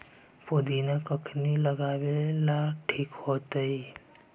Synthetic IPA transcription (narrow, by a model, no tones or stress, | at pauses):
pod̪ʱinekəkʰniləɡawelaʈʰiːkhot̪əi